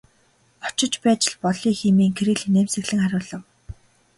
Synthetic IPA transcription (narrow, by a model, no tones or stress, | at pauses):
ɔ̥t͡ɕɪ̆t͡ɕpæːt͡ɕɪ̆ɮpɔɮiːŋximiːŋkʰeɾĭɮinemsɘ̆ɣɮɘ̆ŋχaɾʲʊːɮə̆w